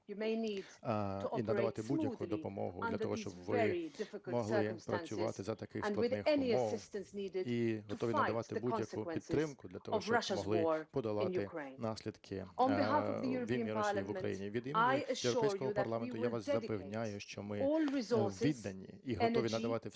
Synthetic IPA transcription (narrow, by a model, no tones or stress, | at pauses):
jumeɪnid | inɐd̪ɐʋɑt̪ɪbujɐkud̪ɔpɔmɔ̰ɦʊ̰d̪lʲɐt̪ɔ̰ɦɔt͡ʃɔbʋɪɛidɪfɪklmɔɦlˠɪpɾɐt͡sʲʊʋɑ̰t̪ɪzɐt̪ɐkɪxsnlˠɪd̪ɪxɛniəmɔsɪstə̃nsniːdɪdiɦɔt̪ɔʋʲiɐɐʋɑt̪ɪbudjɐskuwpʲid̪ɾɪmkʊd̪lʲɐt̪ɔɦɔʃt͡ʃɔɹʌʃəmɔɦlˠɪɔɹpɔd̪ɐlˠɪ̃nj̪uɪkʰɹẽɪ̃nnɑsʲlʲid̪kʰɪə̃nbɪhafvðjuɹʋʲimmʲːiɾɔʋʊkɾɐ̰jḭnʲiʋʲid̪imaɪəʃjɛwɾɔpɛjskɔɦɔpɐrlˠɑment̪ʊjaʋɑszɐpenʲajʊʃt͡ʃɔmɪɔlˠɹɪzɔɹsʋʲid̪nɐnʲːḭiɦɔt̪ɔʋʲinɐd̪ɐʋɑt̪ɪ